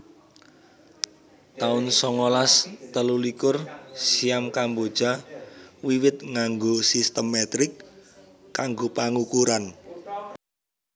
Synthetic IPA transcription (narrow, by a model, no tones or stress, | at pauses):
t̪aʊnsɔŋolast̪əlulikʊrsiamkambod̥ʒ̥a̤ | wiwɪt̪̚ŋaŋɡosist̪əmːɛt̪ɾɪkː | aŋɡopaŋukuɾan